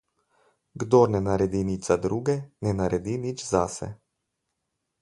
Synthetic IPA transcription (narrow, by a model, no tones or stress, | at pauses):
ɡd̪oɾnɛnaɾɛd̪init͡ʃzad̪ɾuːɡɛnɛnaɾɛd̪init͡ʃzasɛ̰